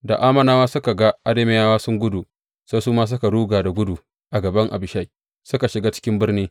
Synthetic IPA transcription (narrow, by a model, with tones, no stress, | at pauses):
da̰˨ʔaː˦mɐ˦naː˦waː˦sʊ˦ka˨ɡa˦ʔa˦de˦me˦jaː˦waː˦sʊ˦ŋɡʷʊ˦du˨ | sa˦jsuː˦maː˦s̬ʊ˦ka˨ɽuː˦ɡaː˨da˨ɡʷʊ˦du˨ | ʔa˨ɡɐ˨bɐ˦ŋʔa̰˨bɪ˨ʃa˦j | sʊ˦ka˨ʃɪ˨ɡaː˦t͡ʃɪ̥˦kʲɪ˦mbɪ˦rniː˦